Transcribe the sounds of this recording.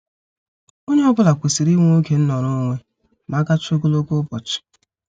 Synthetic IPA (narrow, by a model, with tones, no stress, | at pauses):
o˦ɲe˦ɔ˦bʊ˦la˨kʷe˨si˨ɾi˦ŋʷ˦o˦ke˨n̩˦nɔ˨ɾʊ˦ŋʷe˦ | ma˨˦ɡa˦t͡ʃo˦ɡo˦lo˦ko˦pɔ˨t͡ʃɪ̥˨